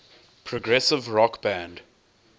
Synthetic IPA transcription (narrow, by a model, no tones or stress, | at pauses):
pʰɹɔɡɹɛsɪvɹɔkb̥æ̃nd